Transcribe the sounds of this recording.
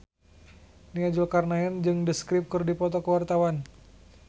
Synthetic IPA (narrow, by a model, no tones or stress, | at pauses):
niad͡ʒɔkarnaənd͡ʒɨŋdəskɾɪp̚kɨrdipɔt̪ɔkəwart̪awan